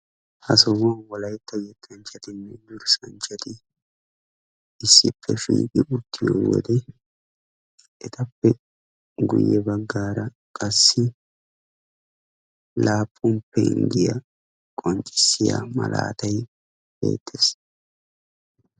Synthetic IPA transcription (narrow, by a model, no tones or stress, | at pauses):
hɐsɔmɐnwɔlɐjt̪ːɐjɛt̪ʰːɐnt͡ʃːɐt̪ɪnːɛd̪ʊɾsɐnt͡ʃːɐt̪ɪ | ɪsːɪpʰːɛʃḭːkʼɪʔʊt̪ʰːɪjo̰wɔ̰d̪ɛ | ʔɛt̪ʰɐpːɛ | ɡʊ̰jːɛbɐɡːaːɾɐ | kʼɐsːɪ | laːpʼːʊmpːɛɪ̰nd̪ɪjɐ | kʼɔnt͡ʃʼːɪsːɪja̰mɐ̰la̰ːt̪ɐj | bḛːt̪ʰːeːs